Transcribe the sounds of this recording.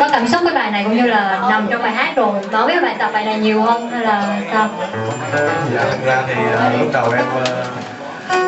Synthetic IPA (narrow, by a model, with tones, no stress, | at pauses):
kɔ˨˦kaː˧˩msʊ˦˥k͡p̚vaː˨˦jɓaː˧˨jna˨˩jkʊ̰˧˥wŋ͡mɲɨ˧laː˨˩˧na˨˩wŋ͡mt͡ɕɔ˧wŋ͡mɓa̰ː˨jɦaː˦˥t̚zo˨˩jɓa˨˦wi˦˥˨ɓa̰ː˧˨˩t̪a˨˩p̚ɓaː˨jna˨˩jɲi˨˩əwhə˧nha˧jlaː˨˩saː˧w | za̰ː˨˩t̪ʰɨ˨˩k̚zaː˧t̪ʰi˨˩əː˨˩lʊ˦˥ɗə˨˩wɗa˦˥k̚əː˧